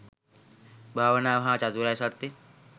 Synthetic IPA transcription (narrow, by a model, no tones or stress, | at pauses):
bʱaʋənaʋɦãt͡ʃat̪uɾajsat̪ːi